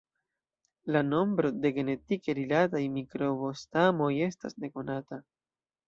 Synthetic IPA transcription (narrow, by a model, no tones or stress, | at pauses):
lano̞mbɾo̞de̞ɡe̞ne̞tikeɾilatajmikɾo̞bostamo̞je̞sta̰sne̞ko̞nata